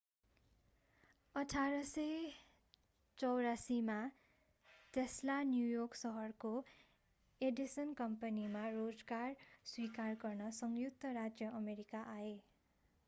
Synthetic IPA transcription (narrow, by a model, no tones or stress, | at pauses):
ʌʈʰaɾʌsʌ | t͡sʌwɾasima | t̪eslanjujoksʌɦʌrko | eɖisʌnkʌmpʌnimarod͡zɡarswikarɡʌrnʌsʌŋjuk̚t̪ʌɾad͡zjʌʔʌmeɾikaʔae